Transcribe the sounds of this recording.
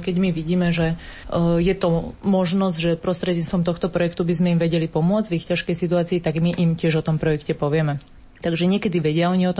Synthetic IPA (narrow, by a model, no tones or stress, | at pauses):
kɛɟmiʋiɟiːmɛʒɛ | jɛt̪ɔmɔʒnɔzɟʒɛpɾɔst̪ɾɛd̪ɲit͡st̪ʋɔmt̪ɔxt̪ɔpɾɔjɛkt̪ubizmɛimʋɛɟɛlipɔmʊɔd͡zvixcaʃkɛjsit̪uaːt͡siːt̪aɡmiʔimcɪɛʒɔt̪ɔmpɾɔjɛkcɛpɔʋɪɛmɛ | t̪aɡʒɛɲɪɛkɛd̪iʋɛɟɪaɔɲiɔt̪ɔ